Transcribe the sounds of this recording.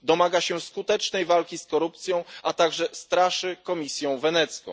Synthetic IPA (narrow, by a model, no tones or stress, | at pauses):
d̪ɔmaɡaɕɛskut̪ɛt͡ʂnɛjvalkʲiskɔɾupt̪sʲjɔ̃w̃ʔat̪aɡʐɛst̪ɾaʂɘkɔmʲisʲjɔ̃w̃vɛnɛt̪skɔ̰̃